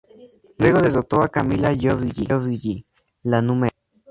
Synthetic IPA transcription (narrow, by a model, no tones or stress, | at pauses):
lweɣoðezot̪oakamilajoβiʎiβiʝi | lanume